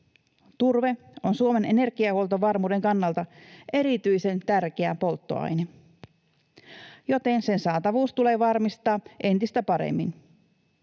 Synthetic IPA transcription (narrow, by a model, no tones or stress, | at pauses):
t̪urʋe̞ | onsuome̞ne̞ne̞rɡ̥iɑholt̪oʋɑrmuːde̞ŋkɑnːɑlt̪ɑʔe̞ɾit̪yjse̞nt̪ærkeæpo̞lt̪ːo̞̰ɑ̰jne | jo̞t̪e̞nse̞nsɑːt̪ɑʋuːst̪ule̞ːʋɑrmist̪ɑːʔe̞nt̪ist̪æpɑɾḛmːin